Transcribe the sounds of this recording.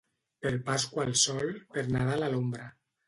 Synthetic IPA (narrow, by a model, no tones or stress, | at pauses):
peɾpaskwalˠsɔlpeɾnaðalalombɾa